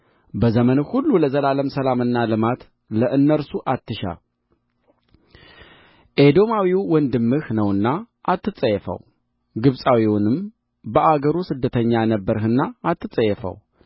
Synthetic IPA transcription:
bəzəmənhulːuləzəlaləmsəlamɨnːalɨmat̪ | ləʔɨnːəɾsuʔat̪ːɨʃa̰ | ʔed̪o̞mawiwɔnd̪ɨmːɨhnəwɨnːa | ʔat̪ːɨt͡sʼəjɛfə̰w | ɡɨβsʼawiwʊnɨm | bəʔaɡəɾusɨd̪ːət̪ʰəɲːanəbːəɾhɨnːaːt̪ːɨt͡sʼəjɛfə̰w

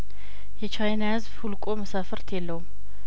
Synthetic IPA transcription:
jɛt͡ʃajnahɨzbhulkʼo̞məsafəɾt̪ʰjelːəwum

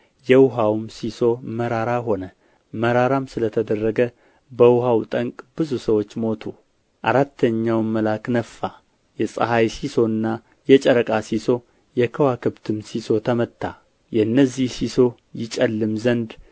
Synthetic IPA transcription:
jɛwʊɦawmsiso̞məɾaɾaɦo̞nə | məɾaɾamsɨlət̪ʰəd̪ərːəɡə | bəwhawt̪ʼəŋkʼb̥ɨzusəwo̞t͡ʃːmo̞t̪ʰu | ʔaɾat̪ːəɲːawmːəlaknəfːa | jɛsʼə̰ɦajsiso̞nːa | jɛt͡ʃʼəɾəkʼasiso | jɛkʰəwakʰɨbt̪ʰɨmsiso̞t̪ʰəmət̪ːa | jɛɨnːəzihsiso̞ | jɪt͡ʃʼəlːɨmzənd̪

